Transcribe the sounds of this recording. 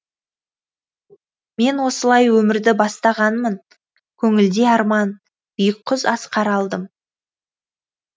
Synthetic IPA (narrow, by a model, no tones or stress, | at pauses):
me̞nwo̞səlˠɑjwɵmɪɾd̪ɪbɑst̪ɑʁɑnmən | kʲʰɵŋɪld̪eɑɾmɑn | b̥ʏjəq̚ʰːʊzɑsqʰɑɾɑlˠd̪əm